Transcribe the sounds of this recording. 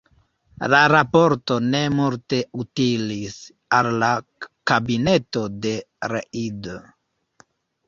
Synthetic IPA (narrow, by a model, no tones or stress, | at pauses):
laɾapo̞ɾto̞ne̞multe̞utilis | alːakabine̞to̞de̞ | ɾeʔido